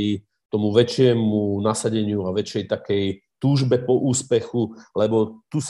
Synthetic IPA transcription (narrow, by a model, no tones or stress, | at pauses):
i | t̪ɔmuʋɛt͡ʃɪɛmunasaɟɛɲɪuaʋɛt͡ʃɛjt̪akɛjt̪uːʒbɛpɔʔuːspɛxulɛbɔt̪us